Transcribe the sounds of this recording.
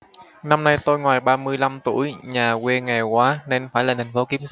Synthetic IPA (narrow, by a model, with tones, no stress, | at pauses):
na˧mna˧jt̪o˧jŋwaː˨˩jɓaː˧mɨ˧əjla˧mt̪u˧˩əjɲaː˨˩kwe˧ŋa˨˩jkwaː˨˦ne˧nfaː˧˩jlaː˨˩t̪ʰŋ̟fo˨˦˥ki˨˦msa˧˦